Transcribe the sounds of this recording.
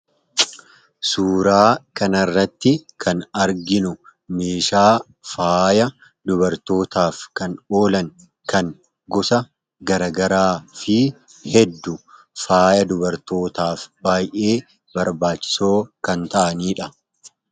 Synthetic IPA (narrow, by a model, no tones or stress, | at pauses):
suːɾaːkɐnɐrːɐt̪ːɪkʰɐnɐɾɡɪnʊmeːʃaː | faːjɐ | d̪ʊbɐɾt̪o̞ːt̪aːfkɐno̞ːlɐŋ | kɐŋ | ɡɔsɐ | ɡɐɾɐɡɐɾaːfɪ | hɛd̪ːʊ | faːjɐd̪ʊbɐɾt̪o̞ːt̪aːfbaːjʔe̞ː | bɐɾbaːt͡ʃːɪ̥so̞ːkɐnt̪ɐʔɐniːᶑɐ